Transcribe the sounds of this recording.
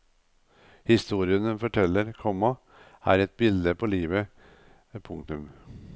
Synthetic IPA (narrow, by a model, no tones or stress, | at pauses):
hɪst̪uːɾɪənəfɔʈʰɛlːəɾkʰɔmɑ | æ̰ːɾɛt̪̚bɪld̪əpʰɔliːʋə | pʰʊŋt̪ʉm